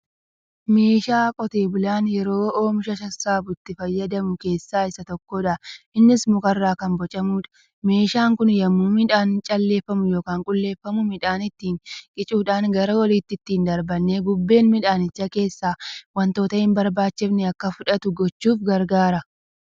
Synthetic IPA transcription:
me̞ːʃaːkʼɔt̪e̞ːbʊlaːnjɛɾo̞ːoːmɪʃɐʃɐsːaːbʊt̪ːɪfɐjːɐd̪ɐmʊke̞ːsːaːɪsɐt̪ɔkːoːᶑɐʔʔɪnːɪsmʊkʼɐrːaːkɐmbɔt͡ʃʼɐmuːᶑɐ̥ | me̞ːʃaːŋkʊnjɐmːuːmɪᶑaːnt͡ʃʼɐlːe̞ːfːɐmʊjo̞ːkaːŋkʼʊlːe̞ːfːɐmʊmɪᶑaːnɪt̪ːiːŋkʼɪt͡ʃʼuːᶑaːŋɡɐɾɐwɐliːt̪ːɪɪt̪ːiːnd̪ɐɾbɐnːeːbʊbːe̞ːnmɪᶑaːnɪt͡ʃːɐke̞ːsːaːwɐnt̪o̞ːt̪ɐɪmbɐɾbaːt͡ʃːɪbnɛɐkːɐfʊᶑɐt̪ʊɡɔt͡ʃːuːfɡɐɾɡaːɾɐ

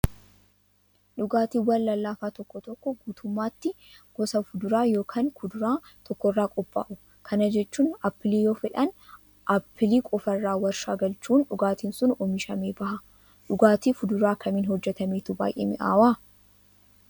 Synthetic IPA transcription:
ᶑʊɡaːt̪iːwɐnlɐlːaːfaːt̪ɔkːɔt̪ɔkːɔɡuːt̪ʊmːaːt̪ːɪ | ɡ̥ɔsɐfʊd̪ʊɾaːjo̞ːkʰaːnkʰʊd̪ʊɾaːt̪ʰɔkːɔrːaːkʼɔbːa̰ːʔʊ | kʰɐnɐd͡ʒɛt͡ʃːuːnɐpːɪliːjo̞ːfɛᶑɐn | ʔɐpːɪliːkʼɔfɐrːaːwɐɾʃaːɡɐlt͡ʃuːnᶑʊɡaːt̪iːnsʊnɔmɪʃɐmeːbɐhɐ | ɗʊɡaːt̪iːfʊd̪ʊɾaːkʰɐmiːnhɔd͡ʒːɛt̪ɐmeːt̪ʊba̰ːjʔḛːmɪ̰ʔa̰ːwaː

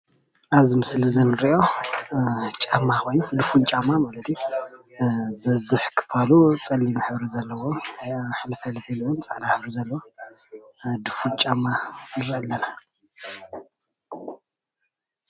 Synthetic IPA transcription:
ʔaβzimɨslɨzɐnːɨɾʔo̞ | t͡ʃʼamːakʰo̞jnud̪ɨfunt͡ʃʼamːamalɐt̪ʰju | zɐzɨħkʰɨ̥falut͡sʼɐlːimaħɨβɾizɐlːɐwoħnɨfɐlħilwʊnt͡sʼaʕd̪aħβɾizɐlːɐwo | d̪ɨfunt͡ʃʼamːanɨɾɐlːɐna

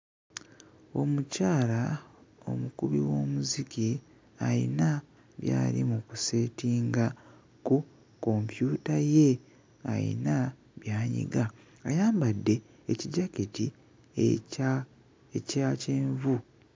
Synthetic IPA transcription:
o̞̰mucaːlao̞̰mukuβiwo̞ːmuziki | aḭna | βja̰ːlimukuse̞ːtiːŋɡa | ku | ko̞mpjuːtaje̞ | ajḭna | βjaːɲḭɡaː | jaːmbadːe̞ | eciɟaketi | ecaceːɱvu

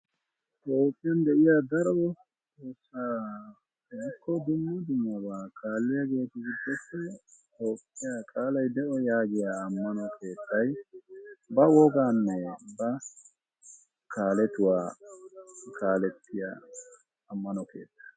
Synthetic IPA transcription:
t̪ʼoːpʼːɪjɐnd̪ɛʔɪjaːd̪ɐɾɔ | tʼoːsːaː | ɛɪkʰːɔd̪ʊmːɔd̪ʊmːɐbaːkʰaːlːɪjaɡe̞ːt̪ʊɡɪd̪ːɔpːɛt̪ʼo̞ːpʼːɪjakʼaːlɐjd̪ɛʔɔjaːɡɪjaːmːɐnɔkʰe̞ːt̪ʰːɐj | bɐwɔɡaːnːɛbɐ | kʰaːlɛt̪ʊwaː | kʰaːlɛt̪ːɪja̰ː | mːɐnɔke̞̰ːt̪ːɐ̥

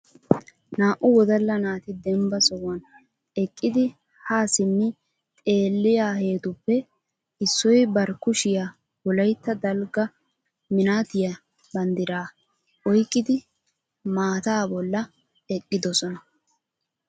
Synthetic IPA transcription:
naːʔʊwɔd̪ɐlːɐnaːt̪ɪd̪ɛmbɐsɔwɐn | ɛkʼːɪd̪ɪ | haːsɪmːɪ | t̪ʼe̞ːlːɪjaːhe̞ːt̪ʊpːɛ | ɪsːɔjbɐɾkʊʃɪja | bɔlɐjt̪ːɐd̪ɐlɡɐ | mɪnaːt̪ɪjɐ | bɐnd̪ɪɾaː | ʔɔjkʼːɪd̪ɪ | maːt̪aːbɔlːɐ | ɛkʼːɪd̪ɔsɔnɐ

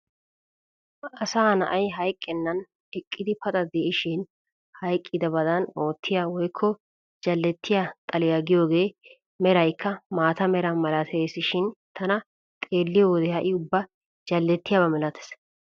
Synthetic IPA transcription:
ɐsaːnɐʔɐjɦɐjkʼːɪnːɐn | ɛkʼːɪd̪ɪpɐt̪ʼɐd̪eːɪʃɪn | hɐjkʼːɪd̪ɐbɐd̪ɐno̞ːt̪ʰːɪjawɔjkʰːɔ | d͡ʒɐlːɛt̪ʰːɪjat̪ʼɐlɪjaɡɪjo̞ːɡe̞ː | mɛɾɐjkʰːɐmaːt̪ɐmɛɾɐmɐlɐt̪ʰeːsɪʃɪnt̪ʰɐnɐ | t̪ʼe̞ːlːɪjowɔd̪ɛhɐʔɪʊbːɐ | d͡ʒɐlːɛt̪ːɪjaːbɐmɛlɐt̪ʰɛ̥s

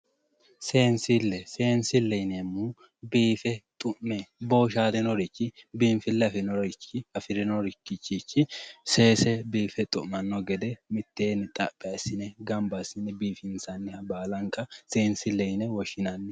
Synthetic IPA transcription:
se̞ːnsɪlːɛse̞ːnsɪlːɛjnɛmːu | biːfɛt̪ʼʊmmːɛbo̞ːʃaːd̪ɛnɔɾɪt͡ʃːɪbiːnfɪlːɛɐfɪnɔɾɪt͡ʃːɪɐfɪɾɛnɔɾɪkːɪt͡ʃːit͡ʃːɪse̞ːsɛbiːfɛt̪ʼʊʔɐnːɔɡɛd̪ɛmɪt̪ːeːnɪt̪ʼɐpʼːɛɐsːɪnɛɡɐmbɐsɪnɛbiːfɪnsɐnːɪhɐbaːlɐŋkʼːɐseːnsɪlːɛjnɛwɔʃɪnɐnːɪ

